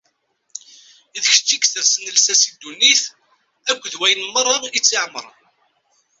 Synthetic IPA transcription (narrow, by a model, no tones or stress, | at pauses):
iðçə̥t͡ʃːikθəɾsənəlsæsid̪unːiθ | ækʷːðwæjənmərˤːɑit͡sːiʕmə̰ɾˤ